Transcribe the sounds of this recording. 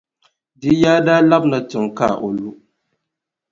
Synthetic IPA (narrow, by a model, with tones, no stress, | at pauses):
di˦jaː˦daː˦la˦bna˨tɪ˨ŋka̰˦˨ʔo˨lu˦